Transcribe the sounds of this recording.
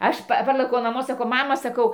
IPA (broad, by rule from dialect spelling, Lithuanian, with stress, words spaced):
ˈɐʃ ˈpɐ ˈpɐrlˠɘkʲɛʊ nɐˈmoː sɐˈkɐʊ ˈmɑːmɐ sɐˈkɐʊ